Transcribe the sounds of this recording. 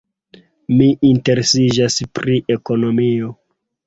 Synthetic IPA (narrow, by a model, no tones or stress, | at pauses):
miʔinte̞ɾesid͡ʒaspɾiʔe̞ko̞no̞mio̞